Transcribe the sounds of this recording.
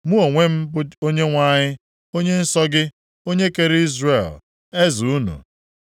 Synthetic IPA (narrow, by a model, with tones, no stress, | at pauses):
mu˦o˨ŋʷe˦m̩˦bʊ˦o˦ɲe˦ŋʷa˦˨ɲɪ˦ | o˦ɲe˦n̩˦sɔ˦ɡɪ˦ | o˦ɲe˦ke˨ɾe˦i˦zre˨l | e˦zu˨u˦nṵ˨